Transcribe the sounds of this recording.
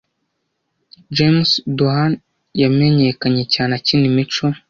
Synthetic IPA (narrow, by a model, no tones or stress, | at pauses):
d͡ʒemsdoɦan | jameɲekaɲecaːnacinimit͡ʃo